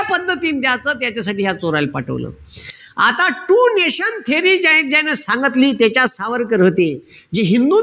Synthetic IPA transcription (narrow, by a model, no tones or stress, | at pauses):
pəd̪ʱːət̪iːnt̪jat͡səːt̪jat͡ɕasaʈiːɦjat͡soɾajlpaʈʰə̰ʋlə̰ː | at̪aʈuːneɕənt̪ʰeɾiːd͡ʑajnd͡ʑanəsãŋɡət̪liːt̪jat͡ɕasaʋəɾkəɾɦot̪e | d͡ʑiɦind̪uː